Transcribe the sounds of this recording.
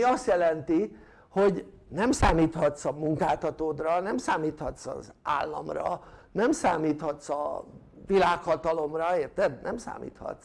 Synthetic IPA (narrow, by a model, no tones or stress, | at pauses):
iɒst̪jɛlɛnt̪i | ho̞ɟnɛmsaːmiːt̪hɒt̪sɒmuŋkaːt̪ɒt̪oːd̪rɒnɛmsaːmiːt̪hɒt̪sɒ̰za̰ːlːɒ̰mrɒ̰nɛmsaːmiːt̪hɒt̪sɒ̰ | vilaːkhɒt̪ɒlo̞mrɒeːrt̪ɛdnʔɛmsa̰ːmḭːt̪hɒ̰t̪s